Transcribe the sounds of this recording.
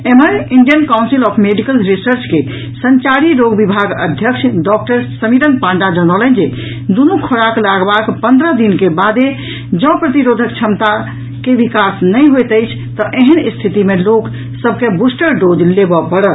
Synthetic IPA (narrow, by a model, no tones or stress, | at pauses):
eməniɳɖijənkawnsilɔpʰmeɖikəlɾisəɾt͡ʃke | səɲt͡ʃaɾiɾoɡbibʱaɡə̰d̪ʱjəkt͡ʃʰɖɔk̚ʈəɾsəmiɾənpãɳɖad͡ʒənɔlənd͡ʒe | d̪unukʰoɽaklaɡbakpənd̪ɾəd̪inkebad̪e | d͡ʒɔ̃pɾət̪iɾod̪ʱək̚t͡ʃʰəmt̪a | keʋikasnəjɦojt̪əjt͡ʃʰ | t̪əʔeɦənist̪ʰit̪imelok | səb̚ʱkebusʈəɾɖod͡ʒlebəpəɽət̪